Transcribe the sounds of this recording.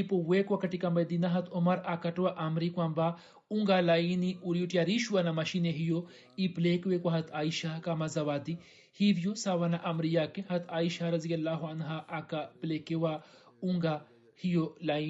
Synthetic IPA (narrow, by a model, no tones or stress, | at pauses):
ipowekwakɐʈikɐmbɐjd̪inaɦɐt̪ʰomɐɾakɐʈwaʔɐmɾikwamba | uŋɡalainiʔuɾjuʈjaɾiʃwanamɐʃineɦijo | iplekwekwaɦɐt̪ʰaːiʃakamazɐʋaːd̪i | hiʋijosaʋanaʔɐmɾijaːkeɦɐt̪ʰaːiʃaɾɐzijɐlːaːɦuɐnɦaʔkapleːkewa | uŋɡa | hijolai